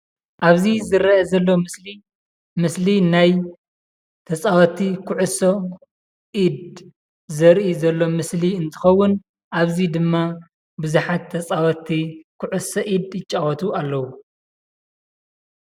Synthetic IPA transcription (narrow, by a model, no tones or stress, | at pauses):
ʔaβzizɨɾɐːzɐlːo̞mɨsli | mɨslinaj | t̪ʰɐt͡sʼawɐt̪ʰikʰʊʕuso | ʔid̪ | zɐɾʔizɐlːo̞mɨsliɨnt̪ʰɨ̥xɐwːʊn | ʔaβzid̪ɨmːa | bɨzuħat̪ʰːɐt͡sʼawɐt̪ʰːikʰʊʕusɐʔid̪ɪt͡ʃʼːawɔt̪ʰualːɐwu